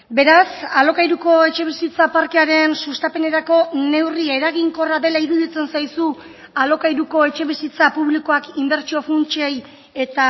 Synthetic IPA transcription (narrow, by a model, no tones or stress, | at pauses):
be̞ɾasalo̞kajɾuko̞e̞t͡ʃe̞βisit͡sapaɾke̞aɾe̞nsust̪ape̞ne̞ɾako̞ne̞wriae̞ɾaɣ̞iŋko̞raðe̞laiɾuðit͡se̞nsajsu | alo̞kajɾuko̞e̞t͡ʃe̞β̞isit͡sapuβliko̞akimbe̞ɾt͡ʃio̞funt͡ʃej | e̞t̪a